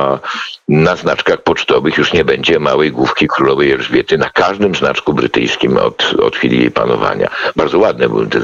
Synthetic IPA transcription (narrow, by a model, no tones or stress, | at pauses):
naznat͡ʂkaxpɔt͡ʂt̪ɔvɘxjuʂɲɛbɛɲd͡ʑɛmawɛjɡwufkʲikɾulɔvɛjɛlʐvʲjɛt̪ɘnakaʐd̪ɘmzna̰t͡ʂkubɾɨt̪ɘ̰jskʲimɔ̰t̪ɔ̰t̪xʲfʲilʲḭjḛjpa̰nɔ̰va̰ɲa̰baɾd̪zɔwad̪̚nɛbɨ̰wt̪ɛ